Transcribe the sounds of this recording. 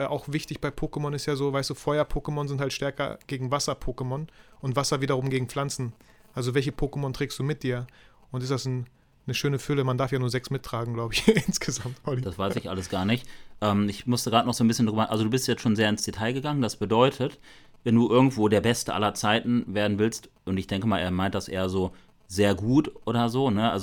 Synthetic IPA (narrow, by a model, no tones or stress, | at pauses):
ʔaʊxv̥ɪçtɪçb̥aɪpʰoːkəmɔnɪstjaːzoːvaɪstd̥uːfɔʏɐpʰoːkəmɔnzɪnthaltʃtɛɐkɐ̰ɡ̥eːɡŋ̩vasɐpʰoːkəmɔnʔʊntv̥asɐviːdɐʁʊmɡeːɡŋ̩fl̥ant͡sn̩ʔalzovɛlçəpʰoːkəmɔntʁ̥eːkstd̥uːmɪt̚d̥iːɐ | ʔʊntɪstd̥as | nəʃøːnəfʏləmandaɐfjaːnuːɐzɛksmɪtʰʁ̥aːɡŋ̩ɡlaʊbəɪçɪnsɡ̥əzamtɔlid̥asv̥aɪsɪçʔa̰ləsɡ̥aːɐnɪçtʔɛːmɪçmʊstəɡ̥ʁaːtnɔχzoːnbɪsçəndʁyːbɐʔalzoduːbɪstjɛt͡stʃoːnzeːɐɪnsd̥etʰaɪɡəɡaŋəndasb̥ədɔʏtʰətvɛnduːʔɪɐɡŋ̩tv̥oːdeːɐbɛstəʔa̰lɐt͡saɪtn̩veːɐdn̩vɪlst | ʔʊntɪçd̥ɛŋkəmaːlʔeːɐmaɪnt̚d̥asʔḛːɐzoː | zeːɐɡuːtʔoːɾɐzoːnəʔa̰lzo